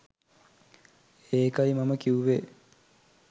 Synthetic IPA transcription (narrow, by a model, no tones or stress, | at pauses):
eːkɐimɐməkiuʋe